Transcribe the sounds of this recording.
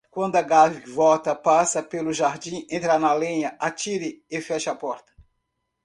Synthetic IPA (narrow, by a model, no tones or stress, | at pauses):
kwɐ̃nd̪ʊɐɡavivɔt̪ɐpasɐpelʊʒaɾd͡ʒĩẽt̪ɾanɐlẽɲɐʔat͡ʃiɾɪefɛʃapɔɾt̪ɐ̥